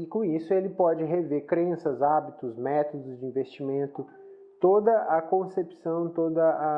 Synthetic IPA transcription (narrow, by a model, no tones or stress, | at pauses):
ɪkõisʊelɪpɔd͡ʒɪɦeveɾkɾẽsɐzabit̪ʊzmɛt̪od̪ʊzd͡ʒɪĩvest͡ʃimẽnt̪ʊ | t̪od̪ɐʔɐkõsepsɐ̃w̃t̪od̪ɐɐ